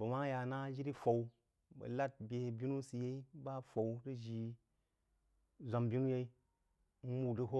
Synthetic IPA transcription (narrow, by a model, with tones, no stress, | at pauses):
bɐ˨wa˦ŋ˦ja˧na˦d͡ʒi˦ɾi˦fo˨w | bɐ̰˨la˦t̚bʲe˨bʲi˦nu˦si˨je˦i˦ba˦fo˨wtɨ˦ʒi˧ | zʷa˨mbʲi˦nu˦je˧i˦ | mu˨dɨ˦ɦo˦